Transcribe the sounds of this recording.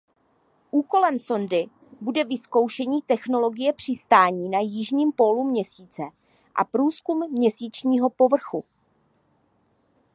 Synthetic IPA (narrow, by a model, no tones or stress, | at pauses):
ʔuːko̞lɛmso̞ndɪ | budɛvɪsko̞wʃɛɲiːt̪ɛxno̞lo̞ɡɪjɛpr̝̥ɪst̪aːɲiːnajɪʒɲiːmpo̞lumɲɛsiːt͡sɛ | ʔa̰pɾuːskumːɲɛsiːt͡ʃɲiːɦo̞po̞vr̩xu